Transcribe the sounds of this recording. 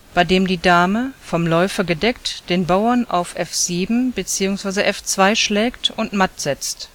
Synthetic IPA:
b̥aɪdeːmdiːdaːməfɔmlɔʏfɐɡədɛktd̥eːnbaʊɐnʔa̰ʊfʔɛfz̥iːbm̩bət͡siːʊŋsv̥aɪzəʔɛft͡sv̥aɪʃlɛːktʊntmatz̥ɛt͡st

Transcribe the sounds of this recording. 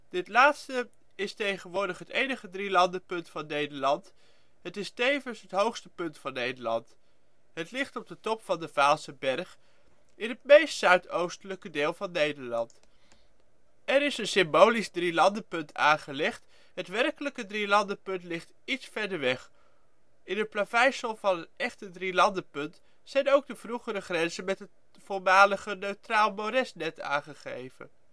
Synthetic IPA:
d̥ɪtlaːtstə | ɪstejχənʋoːɹdəχɦətejnəχədrilɑndəpɵntfɑnːejdəɹlɑnt | ɦətɪstejvənsɦətɦowχstəpɵntfɑnːejdəɹlɑ̰nt | ɦətlɪχtɔb̚dətɔpfɑndəvaːlˠsəbɛrχ | ɪnɦət̚mejstsœɥtowstələkədeːlˠvɑnːejdəɹlɑnt | ɛɾɪsənsɪmbowlizdrilɑndəpɵntʰa̰ːnχəlɛχt | ɦətʋɛrkələkədrilɑndəpɵntlɪχt | itsfɛɹdəɹʋɛχ | ɪnɦət̚plavɛjsəlˠvɑnətɛχtədrilɑndəpɵnt | sɛjnowɡ̚dəvruχəɾəχrɛnzənmɛtɦət | fʊɹmaːləχənøɥtraːlˠmoɾɛsnɛta̰ːŋχəχḛjvə̰n

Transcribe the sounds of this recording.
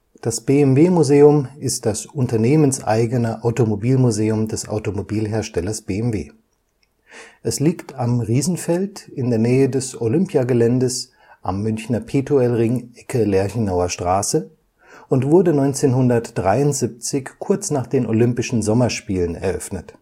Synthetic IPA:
d̥asb̥eːɛmveːmuzeːʊmɪst̚d̥asʔʊntɐneːmənsʔa̰ɪɡənəʔaʊtomobiːlmuzeːʊmdɛsa̰ʊtomobiːlɦeːɐʃtɛlɐsb̥eːɛmvḛː | ʔɛsliːktamʁiːzn̩fɛltɪndeːɐnɛːədɛsolʏmpjaɡəlɛndəs | ʔamːʏnçnɐpʰeːtʰoɛlʁɪŋʔɛkʰəlɛɐçnaʊɐʃtʁ̥aːsə | ʔʊntv̥ʊɐdənɔʏnt͡seːnhʊndɐtd̥ʁaɪʊntz̥ip̚t͡sɪçkʰʊɐt͡snaːχd̥eːnʔolʏmpɪʃn̩zɔmɐʃpiːlənɛ̰ɐʔœ̰fnət

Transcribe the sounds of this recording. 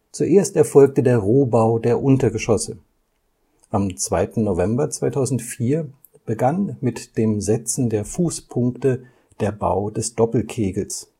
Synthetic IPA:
t͡suʔeːɐstɛɐfɔlk̚tədeːɐʁoːbaʊdeːɐʔʊntɐɡəʃɔsə | ʔamt͡sv̥aɪtn̩novɛmbɐt͡sv̥aɪtʰaʊzn̩tfiːɐ | b̥əɡanmɪtd̥eːmzɛt͡sn̩deːɐfuːspʰʊŋktə | d̥eːɐba̰ʊdɛsd̥ɔpl̩kʰeːɡl̩s

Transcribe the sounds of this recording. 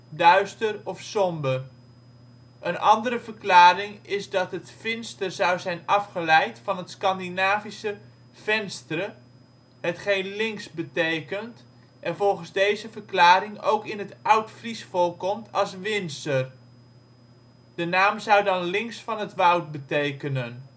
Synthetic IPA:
dœɥstərɔfsɔmbər | ʔənʔɑndəɾəvərklaːɾɪŋɪzdɑtɦətfɪnstərzʌwzɛjnɑfχəlɛjtfɑnɦətskɑndinaːvisə | v̥ɛnstərə | hətχejnlɪŋksbətejkənt | ʔɛnvɔlˠχənzdejzəvəɹklaːɾɪŋo̰wkɪnɦətʌwtfrisfɔlˠkɔmtʰɑlˠsʋɪnstər | d̥ənaːmzʌwdɑnlɪŋsfɑnɦətʋʌwt̚bətejkənən

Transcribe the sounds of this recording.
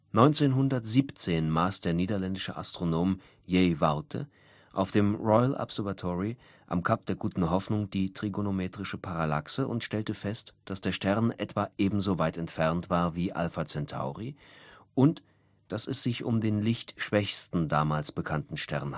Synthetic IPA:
nɔʏnt͡seːnɦʊndɐtz̥iːpt͡seːnmaːsd̥eːɐniːdɐlɛndɪʃəʔa̰stʁ̥onoːm | jɛɪvaʊtʰə̰ | ʔaʊfd̥eːmʁɔʏlʔa̰pz̥ɛɐvatʰɔʁi | ʔa̰mkʰap̚d̥eːɐɡuːtn̩ɦɔfnʊŋd̥iːtʁ̥iɡonomeːtʁ̥ɪʃəpʰaʁala̰ksəʊntʃtɛltəfɛstd̥asd̥eːɐʃtɛɐnʔɛtv̥aʔeːbm̩zovaɪtɛntfɛʁntv̥aːɐviːʔa̰lfat͡sɛntʰa̰ʊʁiʔʊnt | d̥asɛsz̥ɪçʔʊmdeːnlɪçtʃv̥ɛçstn̩daːmaːlsb̥əkʰantn̩ʃtɛ̰ɐn

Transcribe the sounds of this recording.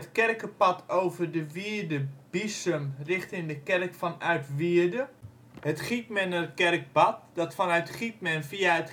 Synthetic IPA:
ətkɛrkəpɑtʰowvərdəʋiədəb̥isəmrɪχtɪŋdəkɛrkfɔnœɥtʋiərdə | hətχitmɛnəətkɛrk̚bɑt̚dɔtfɔnœɥtχit̚mɛnfiaət

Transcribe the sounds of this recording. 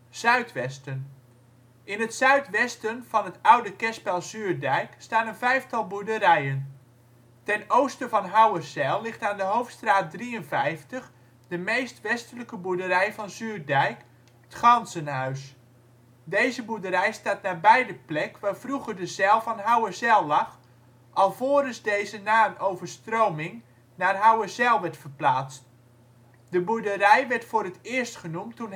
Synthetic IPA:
z̥œɥtʋɛstən | ʔɪnətsœɥtʋɛstənv̥ɑnətawdəkɛspɛlˠzyːrdɛjkstaːnənvɛjftɑlˠbudərɛjən | tɛnowstənvɔnɦawərsɛlˠːɪχtaːndəɦowftstraːt̚driənvɛjftəχ | dəmejstʋɛstələkəbudəɾɛjfɔnzyːrdɛjk | tχɑnsənhœɥs | dejzəbudəɾɛjstaːt̚naːbɛjdəplɛkʋaːfruχərdəzɛlˠvɔnɦawəzɛlˠːɑχ | ʔɑlˠvoːəɾəzdejzənaːnowvərstroːmɪŋ | naːrɦawəzɛlˠʋɛɹtfərplaːt͡st | dəbudərɛjʋɛrtfʊːɾətɪərstχənumtːun

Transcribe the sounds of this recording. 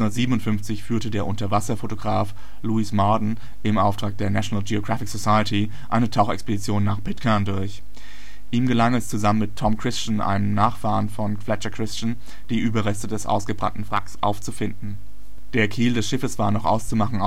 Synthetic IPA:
ʊndɐtz̥iːbənʊntfʏnft͡sɪçfyːɐtədeːɐʔʊntɐvasɐfotoɡʁaːf | luɪsmɔɐdn̩ | ʔɪmʔaʊftʁ̥aːk̚d̥eːɐnaʃonaːld͡ʒioɡʁafɪkz̥osaɪəti | ʔa̰ɪnətʰaʊxɛ̰kspedit͡sjoːnːaːχpʰɪtkʰandʊɐç | ʔiːmɡəlaŋɛst͡suzamənmɪtʰːɔmkʁ̥ɪst͡ʃn̩ʔa̰ɪnəmnaːχfaːʁənfɔnflɛt͡ʃɐkʁ̥ɪst͡ʃn | d̥iːʔyːbɐʁɛstədɛsʔa̰ʊsɡ̥əbʁa̰ntn̩fʁ̥a̰ksʔa̰ʊft͡sufɪndn̩ | d̥eːɐkʰiːldɛsʃɪfəsv̥aːɐnɔχʔa̰ʊst͡sumaχn̩

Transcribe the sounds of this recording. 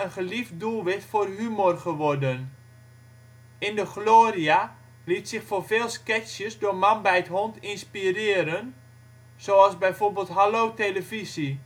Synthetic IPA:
ənχəlifdulˠʋɪxtforɦymorχəʋɔrdən | ɪndəɣloːria | litsɪxforveːlˠskɛsjəsdʊːmanbɛjətɦɔntɪnspirɪːəɾən | z̥oazbɛjvoːrbeːlˠtɦalowteləvizi

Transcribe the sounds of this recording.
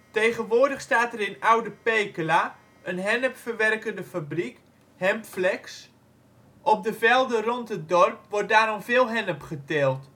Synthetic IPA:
tejχənʋoədəχstaːtərɪnawdəpejkəla | ənɦɛnəpfərʋɛrkəndəfabrik | hɛmpflɛks | ʔɔp̚dəvɛlˠdərɔntət̚dɔrpʋɔrt̚daːɾɔmvɪːlˠɦɛnəpχətɛlˠt

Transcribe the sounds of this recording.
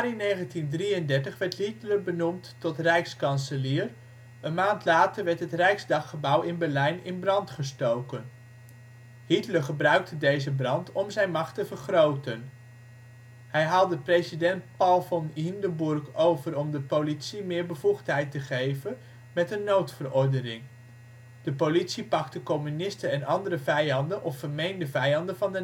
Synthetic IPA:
rinejχəntindrijəndɛɹtəχʋɛɹtɦitləbənumtː | ɔtrɛjkskɑnsəliːr | ənmaːntlaːtəɹʋɛɹtɦətrɛjkzdɑχχəbʌwɪnbɛɹlɛjnɪnbrɑntχəstowkən | hitləχəbrœɥk̚tʰədejzəbrɑntɔmzɛjnmɑχtəvəɹχrowtən | hɛjɦaːlˠdəprejzidɛnt̚pɑlˠfɔnindəbʊɹkowvərɔmdəpowlitsimɪːɹbəvuχtɦɛjtəχejvən | mɛtənːowtfərɔɹdənɪŋ | d̥əpolitsipɑktəkɔmynɪstəɛnɑndəɾəvɛjɑndənʔɔffəɹmejndəvɛjɑndəvɑndə

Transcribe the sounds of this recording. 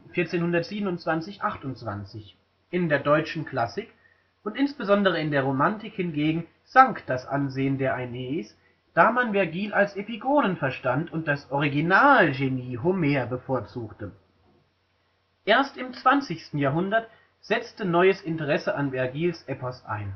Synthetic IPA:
fɪɐt͡seːnhʊndɐtz̥iːbən̩ʊntt͡sv̥ant͡sɪçʔaχtʊntt͡sv̥a̰nt͡sɪç | ʔɪndeːɐdɔʏt͡ʃn̩kl̥asɪk | ʔʊntʔɪnsb̥əzɔndəʁ̞əɪndeːɐʁ̞omantɪkhɪnɡeːɡŋ̩ | z̥aŋkd̥asʔa̰nzeːəndeːɐʔaneːs | d̥aːmanvɛɐɡiːlʔalsʔepiɡoːnənfɛɐʃtantʰʊnt̚d̥asʔɔʁ̞iɡinaːlʒeniːɦomeːɐbəfoːɐt͡suːktə | ʔeːɐstɪmt͡sv̥ant͡sɪçstn̩jaːɐɦʊndɐt | z̥ɛt͡stənɔʏəsʔɪntəʁɛsəʔanvɛɐɡiːlsʔɛpɔsʔa̰ɪn

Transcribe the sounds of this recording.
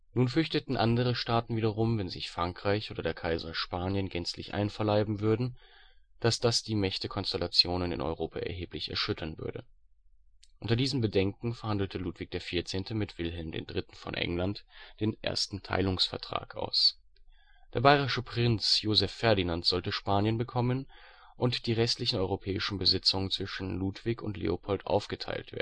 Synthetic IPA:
nuːnfʏɐçtətn̩ʔandəʁ̞əʃtaːtn̩viːdɐʁʊmvɛnzɪ̰çfʁ̥aŋkʁ̥aɪçʔoːdɐdeːɐkʰaɪzɐʃpaːnjənɡɛnt͡slɪ̰çʔa̰ɪnfɐlaɪbm̩vʏɐdn̩ | d̥asd̥asd̥iːmɛçtəkʰɔnstɛlat͡sjoːnənɪ̰nʔɔ̰ʏʁoːpʰaɛɐɦeːplɪçɛ̰ɐʃʏtʰɐnvʏ̰ɐdə̰ | ʔʊntɐdiːzəm̩bədɛŋk̚ŋ̩fɛɐhandl̩tʰəluːtv̥ɪk̚d̥eːɐfiɐt͡seːntʰəmɪtv̥ɪlɦɛlmdḛːndʁɪtn̩fɔ̰nʔɛ̰ŋlantd̥eːnʔḛɐstn̩tʰa̰ɪlʊŋsfɛɐtʁ̥a̰ːkʔa̰ʊs | d̥eːɐbaɪʁɪʃəpʁ̥ɪnt͡sjoːzɛfːɛɐdinantz̥ɔltəʃpaːnjənbəkʰɔmən | ʔʊntd̥iːʁɛstlɪçn̩ɔʏʁopʰɛːɪʃn̩bəzɪt͡sʊŋənt͡sv̥ɪʃn̩luːtv̥ɪkʊ̰ntlḛːopʰɔltʔa̰ʊfɡ̥ətʰa̰ɪltv̥ḛː

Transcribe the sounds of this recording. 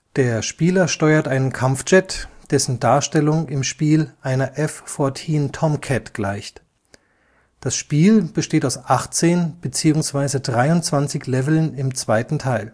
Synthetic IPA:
d̥eːɐʃpiːlɐʃtɔʏɐtʔaɪnənkʰamft͡ʃɛtd̥ɛsn̩daːɐʃtɛlʊŋɪmʃpiːlʔaɪnɐʔɛfːɔɐtʰiːntʰɔmkʰɛtɡ̥laɪçt | d̥asʃpiːlb̥əʃteːtaʊsʔaχt͡seːnb̥ət͡siːʊŋsv̥aɪzədʁaɪʊntt͡sv̥ant͡sɪçlɛvl̩nɪmt͡sv̥aɪtn̩tʰaɪl

